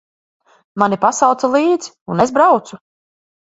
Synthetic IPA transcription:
manipasawt̪salˠiːd̪zi̥unezbɾawt̪su

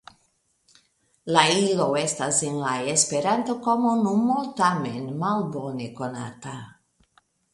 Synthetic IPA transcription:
lailowest̪asinlaespeɾant̪okomonumolt̪amḛnmalbonikona̰t̪a

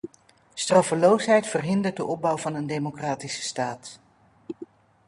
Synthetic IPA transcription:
strɑfəlowsɦɛjtfərɦɪndəɹt̚dəʔɔb̚bɑwvɑnəndejmokraːtisə̥staːt

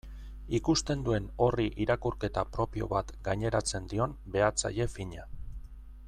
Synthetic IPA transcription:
ikust̪e̞nd̪ue̞no̞riʔiɾakuɾke̞t̪apɾo̞pio̞̰βat̪ɡajɲe̞ɾat͡se̞nd̪io̞nbe̞at͡sa̰je̞fiɲa

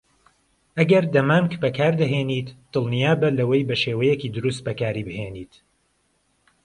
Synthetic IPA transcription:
ʔɐɡɐɾd̪ɐmaːmkbɐkʰaːɾd̪ɐɦeːniːt̪d̪̥ɨlˠnijaːbɐlɐwɐjbɐʃeːwɐjɛkiːd̪ʊɾus̬t̪̚bɐkaːɾibɨheːniːt̪

